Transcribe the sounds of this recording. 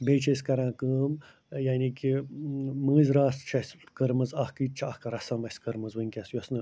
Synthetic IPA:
beːt͡ʃʰɐsʲkɐɾãːkəːm | jaːnikʲi | mɨːzʲɾaːst͡ʃʰɐsʲkəɾmɐzɐhkɨt͡ʃʰɐhkɐɾɐsɐmɐsʲkɐɾmɐzwɨnʲkʲɐsjosnɨ

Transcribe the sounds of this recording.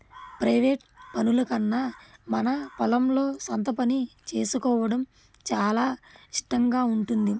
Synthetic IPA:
pɾɐjʋeːʈpɐnulɐkɐnːaːmɐnɐpɐlɐmlo̞ːsɐnt̪ɐpɐnit͡ʃe̞ːsukɔːʋɐɽɐm | t͡ʃaːlaːiʂʈɐŋɡaːuɳʈund̪i

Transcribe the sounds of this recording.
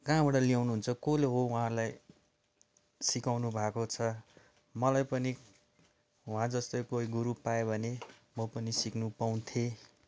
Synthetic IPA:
kãbaʈʌlijawnuɦunt͡sʰʌkoleɦoũãlaj | sikawnubʱakot͡sʰʌ | mʌlajpʌni | ɦũɦãd͡zʌst̪ʌjkoiɡuɾupaobʱʌnemʌpʌnisiknupaw̃nt̪ʰe

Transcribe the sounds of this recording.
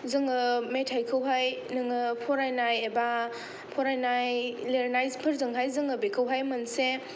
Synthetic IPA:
zɯŋɯmetʰajkʰɯwɦajnɯŋɯpʰoɾajnajeba | pʰoɾajnajleɾnajzpʰɯɾzɯŋɦajzɯŋɯbekʰɯwɦajmɐnse

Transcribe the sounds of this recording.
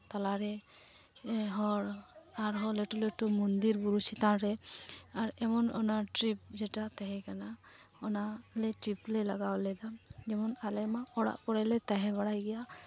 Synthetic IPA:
t̪alaɾɛ | ɦɔɾaɾɦɔleʈuleʈumund̪iɾbuɾusit̪anɾɛaɾɛmɔnɔ̰naʈɾip̚d͡ʒɛʈat̪aɦɛkana | ɔnalɛʈɾiplɛlaɡawlɛd̪ad͡ʒɛmɔnalɛmaɔɽa̰ʔpɔɽalɛt̪aɦɛbaɽajɡɛja

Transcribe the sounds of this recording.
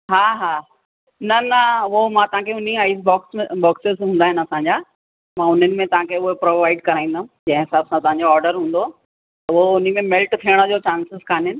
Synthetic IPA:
ɦaːɦaː | nɐnɐʋomãːt̪ɐʋ̤ãkʰeʊn̤iaːɪs̬bɔːksbɔːksɪzɦũːnd̪aːɦɪnɪɐsãɲd͡ʑaː | mãːʊn̤ənɪ̆mẽt̪ɐɦãkʰeʊɦepɾoːʋaːɪɖkɐɾaːĩːnd̪aɦũd͡ʑɐ̃ɦɪ̃ɦɪsaːbsãt̪ɐʋɦãɲd͡ʑoɔːɾɖəɾɦũːnd̪o | t̪ɐʋoʊn̤imẽmɪlʈt̪ʰijəɽ̃əd͡ʑoːt͡ɕãːnsɪzkʰaːnɦɪnɪ̆

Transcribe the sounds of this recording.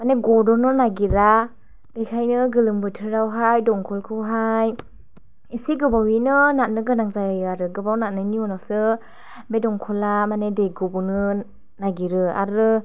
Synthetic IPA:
maneɡɔdɔnɯnaɡiɾa | b̥ekʰajnɯɡɯlɯmbɯtʰɯɾawɦajdɔŋkʰɔlkʰɯwɦaj | isiɡɯbawinɯnat̚nɯɡɯnaŋzajjaɾɯɡɯbawnat̚nɯniɔnasɯ | bedɔŋkʰɔlamanedeɡɯbɔnɯ | naɡiɾɯa̰ɾɯ

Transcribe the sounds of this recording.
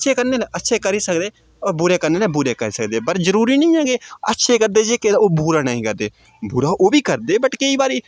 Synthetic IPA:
ətːʃʰeːkəɾneːlːətːʃʰeːkəɾiːsəkd̪eː | ɔːbʊɾeːkəɾneːleːbʊɾeːkəɾiːsəkd̪eːbəɾzəɾuːɾiːnəĩːaːɡeːətːʃʰeːkəɾd̪eːd͡ʒekeoːbuːɾaːnəĩːkəɾd̪eː | buːɾaːʔoːbʱiːkəɾd̪eːbəʈkeiːbaːɾiː

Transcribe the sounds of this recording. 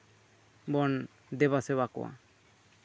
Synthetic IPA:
bɔn | d̪ɛβasɛbakɔ̰wa̰

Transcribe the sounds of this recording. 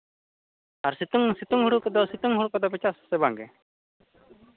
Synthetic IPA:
aɾsit̪uŋsit̪uŋɦuɽukɔd̪ɔsit̪uŋɦuɽukɔd̪ɔpɛt͡ʃasːɛbaŋɡɛ

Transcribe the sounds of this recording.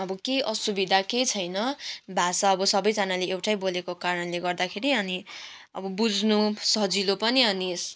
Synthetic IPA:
ʌbʌkejʔʌsubid̪ʱaket͡sʰʌjnʌbʱasaʌbʌsʌbʌjd͡zʌnaleewʈʰajbolekokaɾʌnleɡʌrd̪akʰeɾiʌniʌ̰bʌbud͡znusʌd͡zilopʌniʌnis

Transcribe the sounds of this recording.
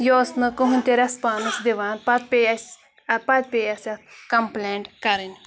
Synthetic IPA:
joːsnɨkuɦunʲt̪ʲeɾɐspaːnɨsd̪iʋaːnpɐt̪̚pʲejɐsʲ | ɐpɐt̪̚pʲejɐsɐt̪̚kɐmpleːɳʈkɐɾinʲ

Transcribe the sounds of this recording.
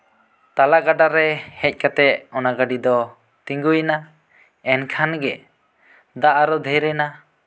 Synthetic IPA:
t̪alaɡaɖaɾɛhɛc̚ˀkat̪ɛʔɔnaɡaɖid̪ɔ | t̪ĩŋɡujna | ɛnkʰanɡɛ | d̪aʔaɾɔd̪ʱɛɾɛna

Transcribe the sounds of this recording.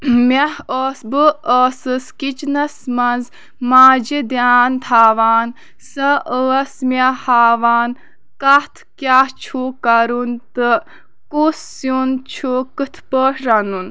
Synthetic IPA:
mehoːsbɨəːsɨskit͡ʃnɐsmɐnz | maːd͡ʒid̪jaːnt̪ʰaːʋaːn | sɐʔəːsmahaːʋaːn | kɐt̪ʰkjaːt͡ʃʰukɐɾunt̪ɨ | kusːunt͡ʃʰokɨt̪ʰpəːʂɾɐnun

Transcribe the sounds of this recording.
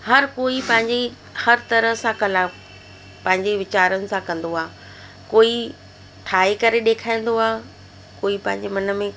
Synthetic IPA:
hɐɾkoːipɐ̃ɦɪ̃ɲd͡ʑe | hɐɾt̪ɐɾəɦsãkɐlaːf | pɐ̃ɦɪ̃ɲd͡ʑeʋɪt͡ɕaːɾənɪ̆sãkɐ̃nd̪oaːɦ | koːi | ʈʰaːekɐɾeɗeːkʰaːĩːn̆d̪oaː | koːipɐ̃ɦɪ̃ɲd͡ʑemɐnə̆mẽ

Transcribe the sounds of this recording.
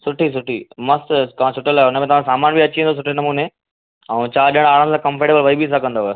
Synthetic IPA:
sʊʈʰis̬ʊʈʰḭmɐstt̪ɐãt͡ɕʰʊʈəlaːɦeʊnəmẽt̪ɐʋãsaːmaːnbʱiɐt͡ɕiẽnd̪oːs̬ʊʈʰenɐmuːne | ɛ̃t͡ɕaːɗiəɽ̃aːɽə̃nsãkɐ̃mfeʈeːbəlʋɐɦibis̬akɐ̃nd̪o

